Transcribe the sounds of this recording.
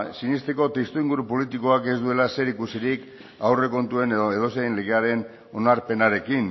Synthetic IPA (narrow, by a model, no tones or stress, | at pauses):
sinist̪eko̞t̪est̪uiŋɡuɾupo̞lit̪iko̞ake̞zd̪ue̞lase̞ɾikusiɾik | awre̞ko̞nt̪ue̞neðo̞sejnleɣ̞e̞aɾe̞n | o̞naɾpe̞naɾe̞kin